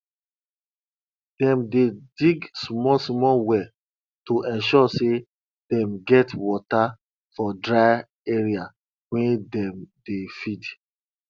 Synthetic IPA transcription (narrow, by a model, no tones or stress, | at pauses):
d̥ɛ̃mdediɡsmɔsmɔwɛ | toʔɛ̃nʃɔse | d̥ɛ̃mɡɛtwɔta | fɔdɹaɪ | eɹia | wɛ̃ndɛ̃mdefid